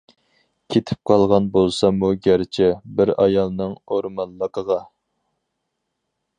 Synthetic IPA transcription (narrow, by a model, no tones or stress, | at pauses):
kʲʰet̪ʰɪ̥p̚qʰɑlˠʁɑnbolˠsɑmuɡʲæɾt͡ʃʰɛbɪɾɑjɑlˠnɨŋoɾmɑnlːəqʰəʁɑ